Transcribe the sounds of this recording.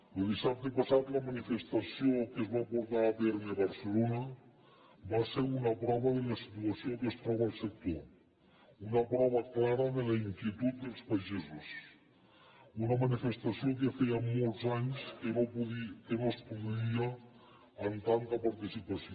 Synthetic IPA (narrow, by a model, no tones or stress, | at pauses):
eld̪isap̚t̪epasat̪lɐmanifest̪asiokezβapuɾt̪aːt̪eɾmiaβaɾselonɐ | βaseɾunɐpɾɔβɐðelasi̥t̪uɐsiokest̪ɾɔβalˠsek̚t̪o | unɐpɾɔβ̞ɐklaɾɐðelaiŋkjet̪ut̪̚d̪elˠspaʒizus | unɐmanifest̪asijok̬efejamolˠzaɲskeβopuðikenospuðiaː | nt̪ant̪ɐpaɾt̪isipasio